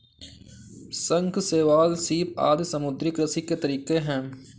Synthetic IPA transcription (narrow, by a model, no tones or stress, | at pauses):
sə̃ŋkʰseːʋaːlsiːpa̰ːd̪səmʊd̪ɾikɾəsiket̪əɾiːkeɦɛ̃ː